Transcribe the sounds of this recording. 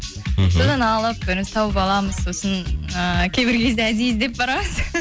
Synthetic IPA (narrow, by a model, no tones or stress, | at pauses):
so̞d̪ɑnɑlˠəp̚bɪɾɪnst̪ʰɑwəpɑlˠɑməz̥so̞sənəkʲʰe̞jbɪɾkʲʰe̞zd̪eæd̪ijzd̪e̞p̚bɑɾɑməz̥